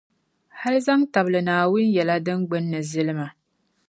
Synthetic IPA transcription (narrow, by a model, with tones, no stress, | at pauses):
ha˦lɨ˦za˦ŋta˨blɨ˨naː˨wʊ˦n˦jɛ˨la˦dɨ˦ŋɡ͡bɨ˦nːɨ˨zɨ˦lɨ˦ma˨